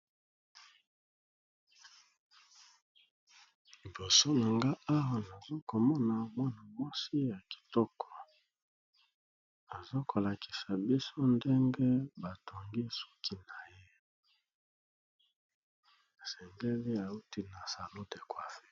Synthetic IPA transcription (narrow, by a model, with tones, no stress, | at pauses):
li˨bo˨so˦na˨ŋɡa˦a˦wa˨na˨zo˦ko˨mɔ˦na˨mwa˦na˨mwa˦si˦ja˨ki̥˨tɔ˦kʰɔ˨ | a˨zo˦kʰo˨la˨ki̥˨sa˨bi˦so˦nde˦ŋɡe˦ba˨tʰo˨ŋɡi˦so̥˦kʰi˦na˨je˦ | e˨sɛ˨ŋɡe˦li˦a˨u˦ti˦na˨sa˨lo˦de˨kwa˨fe̥˦